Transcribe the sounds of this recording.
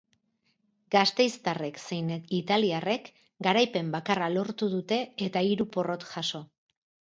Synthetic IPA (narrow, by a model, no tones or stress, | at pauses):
ɡast̪e̞jst̪are̞kse̞jnit̪aliare̞k | ɡaɾajpe̞mbakaralo̞ɾt̪uðut̪e̞et̪aiɾupo̞ro̞t̪ʝaso̞